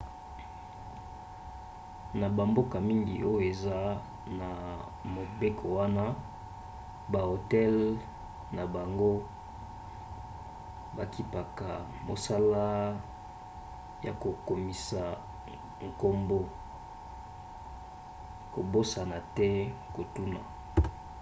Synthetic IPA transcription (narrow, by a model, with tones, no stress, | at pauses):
na˨ba˨mbo˦ka˨mi˦ŋɡḭ˨ʔo˦jo˨e˨za˦ | na˨ | mo˨be˦kʰo˨wa˦na˦ | ba˨o˨tɛ˦l | na˨ba˨ŋɡo˦ | ba˨ki˨pa˨ka˨ | mo̰˨sa˦la˦ | ja˨ko˨ko˨mi˨sa˨ | ŋ̩˨ko˦mbo˦ | ko˨bo˦sa˨na˨tɛ˦ko˨tu˦na˨